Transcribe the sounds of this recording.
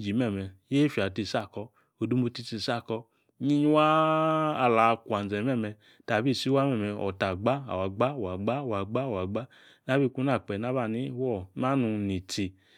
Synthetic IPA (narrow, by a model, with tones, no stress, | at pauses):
d͡ʒi˨˦mɛ˦˨mɛ˧je˦fi˨a˨ti˧˨sa˦˨kɔ˧ | o˨du˦mo˧ti˧˦ti˧˨sa˦˨kɔ˧ | ɲi˧ɲ˦waː˦˧ | la˨˧kʷa˨n˨zɛ˨mɛ˦˨mɛ˧ | ta˨bi˦˨si˦wa˦mɛ˦˨mɛ˧ɔ̰˨ta˨ɡ͡ba˦a̰˨wa˨ɡ͡ba˦˨wa˨ɡ͡ba˦˨wa˨ɡ͡ba˦˨wa˨ɡ͡ba˦ | na˦bi˦˧ku˧˦na˦˨k͡pɛ˨na˦βa˦˨ni˨˦wɔ˦˨na˦nu˧ni˨ti˧